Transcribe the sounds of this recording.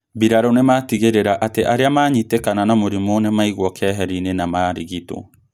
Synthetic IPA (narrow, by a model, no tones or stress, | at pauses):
biɾaɾonematiɣeɾeɾaʔateʔaɾeamaːɲitekananamoɾimonemaiɣwɔkɛɦɛɾinenamaːɾiɣito̰